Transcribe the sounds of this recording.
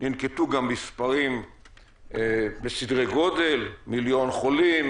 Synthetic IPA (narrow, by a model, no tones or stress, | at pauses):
ninket̪uɡamːispaʁim | besidʁeɡo̞de̞lmiljo̞nχo̞lim